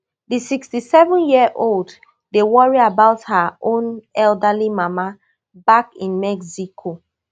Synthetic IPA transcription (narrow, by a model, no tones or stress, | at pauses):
disikstisɛvɔ̃njiʔold | dewɔɹiabaʊthaʔõnɛldəlimama | bakĩnmɛksikʰo